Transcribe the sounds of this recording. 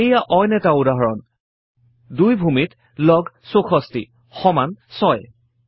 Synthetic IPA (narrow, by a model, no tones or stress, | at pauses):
ejaʔɔjnɛtaudaɦɔɹɔn | dujbʱumit | lɔɡsoxʰɔstḭ | xɔmansɔj